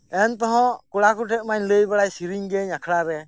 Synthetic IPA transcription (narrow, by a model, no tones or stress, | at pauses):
ɛnt̪ɔɦɔ̃kuɽakuʈʰɛʔ̚maɲləjbaɽajsiɾiɲɡɛɲakʰɽaɾɛ